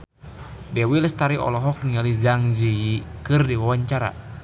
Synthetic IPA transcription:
dɛwilst̪aɾiʔɔ̰lɔɦɔk̚nializaŋziikɨrdiwawaɲt͡ʃaɾa̰

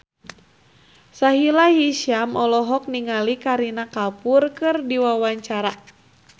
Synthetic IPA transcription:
saɦilaɦiʃiamɔlɔɦɔk̚niŋalikaɾinakalpurkɨrdiwawaɲt͡ʃaɾa

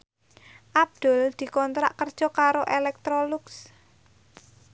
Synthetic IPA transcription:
ʔab̚d̪̥ʊld̪̥i̤kɔnt̪ɾa̰ʔkərd̥ʒ̥ɔ̤kaɾoʔelɛk̚t̪ɾoluks

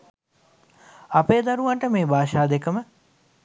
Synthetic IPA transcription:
apeːd̪aɾuʋaɳʈəmeːbʱaːʃaːd̪ekəmə

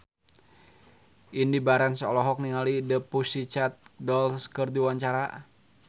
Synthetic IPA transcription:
ʔindibaɾɛnsəɔlɔɦɔk̚niŋalidəpusit͡ʃat̪̚dɔlskərdiwaɲt͡ʃaɾa

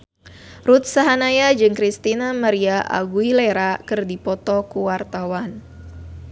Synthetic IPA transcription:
rut̪̚saɦanajad͡ʒɨŋkɾist̪inamaɾiaʔa̰ɡuileɾakɨrdipɔt̪ɔkuwart̪awan

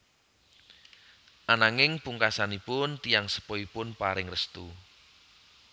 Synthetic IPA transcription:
ʔanaŋɪŋpuŋkasanipʊnt̪ijaŋsə̥pɔipʊnpaɾɪŋrəst̪u

